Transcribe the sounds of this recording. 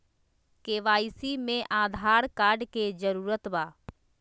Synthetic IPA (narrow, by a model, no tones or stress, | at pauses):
keːʋaːisimẽʔaːd̪ʱaːɾkaːɾɖked͡ʒəɾuːɾət̪baː